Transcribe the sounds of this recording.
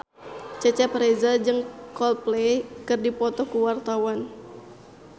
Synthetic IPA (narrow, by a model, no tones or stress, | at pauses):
t͡ʃɛt͡ʃɛpɾezad͡ʒɨŋkɔlplekɨrdipɔt̪ɔkuwart̪awan